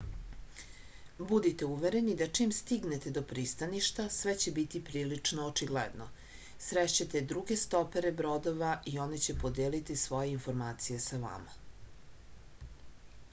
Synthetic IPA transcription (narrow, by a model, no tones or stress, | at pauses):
bud̪it̪e̞uʋeɾe̞nid̪at͡ʂimst̪iɡnet̪e̞d̪o̞pɾist̪aniʃt̪asʋet͡ɕe̞bit̪ipɾiːlit͡ʂnoːt͡ʂiɡlḛd̪no̰ | sɾeʃt͡ɕat̪ed̪ɾuɡest̪o̞peɾebɾod̪oʋaʔio̞net͡ɕepo̞d̪eːlit̪isʋo̞jeinfo̞ɾmaːt̪sije̞saʋa̰ma